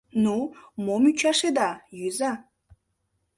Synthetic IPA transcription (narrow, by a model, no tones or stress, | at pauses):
numomyt͡ʃʰaʃed̪ɑjyza